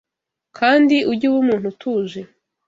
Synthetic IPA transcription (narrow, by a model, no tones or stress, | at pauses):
kʰaːndiʔuɾɟuwumuːn̥hutʰuːʒe